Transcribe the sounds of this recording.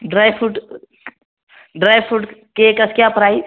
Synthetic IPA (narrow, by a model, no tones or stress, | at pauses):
ɖɾajfʰuʈ | ɖɾaːjpʰuːʈkekɐskjaːpɾaːis